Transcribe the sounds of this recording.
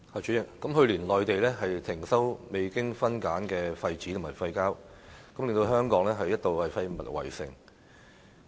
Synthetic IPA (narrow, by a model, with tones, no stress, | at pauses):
haː˨˩t͡ʃyː˨˥jɪ˨˩k̚kɐ˨˥mɦɵ˧ɥliː˨˩nlɔː˨jt̪e˨jlɛː˥ɦɐ˨jt̪ʰɪ˨˩ŋsɐ˥wme˨˧jkɪ˥ŋfɐ˥nkaː˨˥nkɛː˧fɐ˧jt͡siː˨˥t̪ʰmhɐː˨˩jfɐ˧jkaː˥w | kɐ˨˥mlɪ˨ŋt̪o˧ɦœː˥ŋkɔː˨˥ŋlɛː˥ɦɐ˨jːɐ˥t̪̚o˨˧whɐ˨jfɐ˧jmɐ̰˨˩t̚wɐ̰˨˩jsɪ̰˨˩ŋ